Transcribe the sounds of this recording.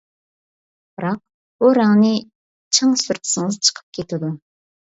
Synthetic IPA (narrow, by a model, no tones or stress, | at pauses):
b̥ɨɾɑq̚ | buɾæŋnɨ | t͡ʃʰɑŋsyɾt̪ʰɪ̥sɨŋɨzt͡ʃʰə̥qʰə̥p̚kʲʰet̪ʰɪd̪u